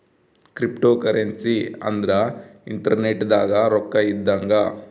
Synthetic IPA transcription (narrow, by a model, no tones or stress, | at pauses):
kɾipʈoːkɐɾensiɐ̰nd̪ɾɐiɳʈɐɾneʈːd̪aːɡɐɾɔkːɐid̪ːɐŋɡɐ